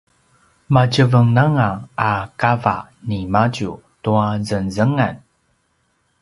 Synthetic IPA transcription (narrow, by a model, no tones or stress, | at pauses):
macəvəŋnaŋaakava̰ | nimaɟu | tuazənzəŋan